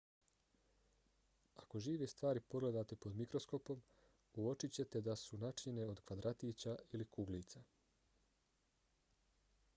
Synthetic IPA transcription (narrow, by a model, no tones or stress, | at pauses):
ako̞ʒiːʋest̪ʋaːɾipo̞ɡle̞d̪aːt̪epo̞d̪mikɾo̞sko̞po̞m | uo̞t͡ʃit͡ɕe̞t̪e̞d̪asunat͡ʃɲene̞o̞d̪kʋad̪ɾat̪iːt͡ɕailikuɡliːt̪sa